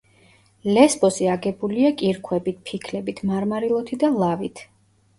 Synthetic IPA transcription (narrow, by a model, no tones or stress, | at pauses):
lɛsbɔsiaɡɛbuliakʼiɾkʰwɛbit̪̚pʰikʰlɛbit̪ʰmaɾmaɾilˠɔt̪ʰid̪alˠavit̪ʰ